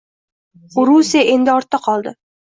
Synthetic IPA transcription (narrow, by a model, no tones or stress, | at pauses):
ʊɾusieaʔe̞nd̪ɪɒɾt̪ːaqʰɒlˠd̪ɪ